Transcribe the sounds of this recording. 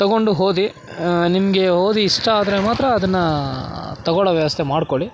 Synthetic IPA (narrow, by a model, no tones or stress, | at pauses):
t̪ɐɡo̞ɳɖuɦo̞ːd̪i | nimɐɡe̞ɦo̞ːd̪iːʂʈɐaːd̪ɐɾemaːt̪ɾɐːd̪ɐnːɐ | t̪ɐɡɔɭɐʋjɐʋɐst̪ʰe̞maːɖkoɭi